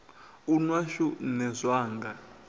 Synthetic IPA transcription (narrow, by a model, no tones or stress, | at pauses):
unwaʃunɛzʷwaːŋɡa